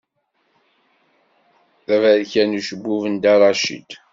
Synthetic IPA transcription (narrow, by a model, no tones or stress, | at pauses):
θævæðçænuʃəbːuvənd̪ɑɾˤɑʃḭd̪